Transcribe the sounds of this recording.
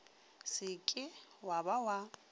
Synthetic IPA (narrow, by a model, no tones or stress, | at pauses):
sɪkʼɪwabawa